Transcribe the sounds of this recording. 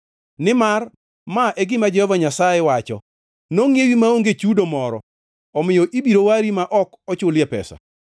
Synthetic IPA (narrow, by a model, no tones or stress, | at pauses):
nɪmar | maʔeɡɪmad͡ʒɛhɔvaɲasajɛwat͡ʃɔ̰ | noŋjewimaoŋɡet͡ʃudomɔɾɔ̰ | ɔmɪjɔʔibiɾowaɾimaʔɔk | ɔt͡ʃʊljɛpɛ̰sa̰